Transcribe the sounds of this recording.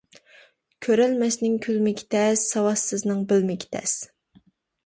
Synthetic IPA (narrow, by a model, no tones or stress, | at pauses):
kʲʰøɾɛlmɛsnɪŋkʲʰylmɪkʲʰi̥t̪ʰɛsːɑwɑsːɨznɨŋbɪlmɪkʲi̥t̪ʰɛ̰s